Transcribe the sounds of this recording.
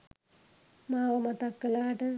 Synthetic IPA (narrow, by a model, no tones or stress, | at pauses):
maːʋəmat̪ɐkːɐlaːʈə